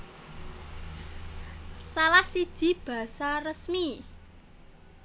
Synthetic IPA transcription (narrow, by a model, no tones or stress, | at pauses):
salahsid̥ʒ̥i̤b̥ä̤sarəsmi